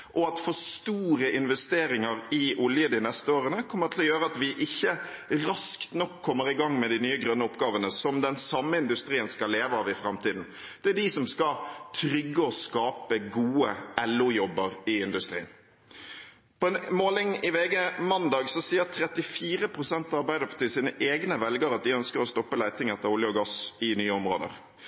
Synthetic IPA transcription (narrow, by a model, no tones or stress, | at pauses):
ʔɔɑt̪fɔst̪uːɾəʔɪnʋɛst̪eːɾɪŋəɾɪʔʊljəd̪ɪnɛst̪əoːɾənəkʰɔmːət̪ʰɪlɔjøːɾəɑt̪ʋɪʔɪçːəɾɑskt̪nɔkʰːɔmːəɾɪɡɑŋːmɛd̪ɪnyːəɡɾœnːəʊpɡɑːʋənəsɔmd̪ɛnsɑmːəɪnd̪ʉst̪ɾiːənskɑleːʋəɑʋɪfɾɑmt̪iːd̪n̩ | d̪̥ɛæɖisɔmskɑt̪ʰɾʏɡːəɔskɑːpəɡuːəɛlʊjɔbəɾɪɪnd̪ʉst̪ɾḭːən | pʰɔɛnmoːlɪŋɪʋeːɡɛmɑnd̪ɑːɡsɔsiːəɾt̪ʰɾɛt̪ɪfiːɾəpʰɾʊsɛnt̪ɑɑɾbæɪd̪əɾpʰɑ̥t̪ʰisiːnəʔeːɡnəʋɛlɡəɾɑt̪̚d̪ɪœnskəɾɔst̪ɔpːəlæɪt̪ɪŋɛt̪ːəɾʊljəɔɡɑsɪnyːəʊmʁo̰ːd̪ə̰ɾ